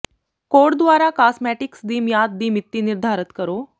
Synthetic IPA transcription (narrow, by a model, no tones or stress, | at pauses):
koɽd̪ʋaɾakasmɛʈiksd̪iːmjad̪̚d̪iːmit̪ːiniɾd̪ʱaɾət̪kəɾo